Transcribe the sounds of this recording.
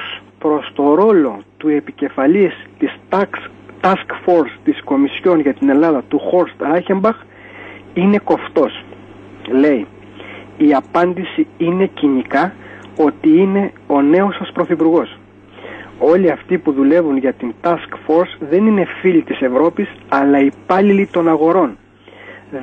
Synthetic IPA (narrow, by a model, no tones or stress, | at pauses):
spɾo̞st̪o̞ɾo̞lo̞t̪ue̞pice̞fɐlist̪is | t̪ɐskfo̞ɾst̪isko̞misço̞nʝɐt̪ine̞lɐðɐt̪uxo̞ɾst̪ɾɐçembɐx | ine̞ko̞ft̪o̞s | le̞iː | ɐpɐnd̪isiine̞ciɲikɐo̞t̪iine̞o̞ne̞o̞sɐspɾo̞θipuɾɣo̞s | o̞liɐft̪ipuðule̞vunʝɐt̪int̪ɐskfo̞ɾsðe̞nine̞filit̪ise̞vɾo̞pisɐlɐipɐlilit̪o̞nɐɣo̞ɾo̞n